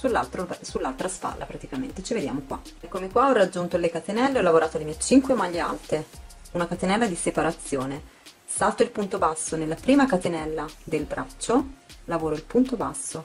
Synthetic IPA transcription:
sulːa̰lt̪ɾosulːalt̪ɾaspa̰lːʔa̰pɾat̪ikamḛnt̪et͡ʃived̪ja̰ːmokwa̰ | kːomekwaɔrːad͡ʒːunt̪olekat̪enɛlːeɔlːavoɾaːt̪oalimɛt͡ʃiŋkwemaʎːea̰lt̪e | unakat̪enɛlːad̪isepaɾat̪sːjoːne | salt̪oilpunt̪obasːonelːapɾiːmakat̪enɛlːad̪elbɾʔat͡ʃːolavoːɾoilpunt̪obasːo

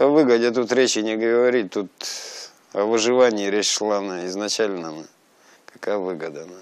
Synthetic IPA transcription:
ɐvɨɡədʲet̪̬ut̪ɾʲet͡ɕɪnʲɪɡəɡəvɐɾʲit̚ʲt̪ut̪ | ɐvɨʐɨvanʲɪːɾʲet͡ɕʂlˠanaɪznɐt͡ɕalʲnəna | kɐ̥kajvɨɡəd̪əna

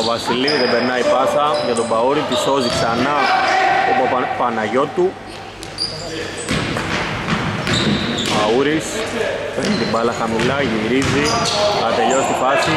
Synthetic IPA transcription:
ovɐsiliðebeɾnɐipɐsɐʝɐt̪obɐuɾit̪isoziksɐnɐ | opopɐnɐʝot̪u | bauɾispenit̪ibɐlɐxɐmulɐʝiɾiziɐɐt̪e̞ʎost̪ipɐsi

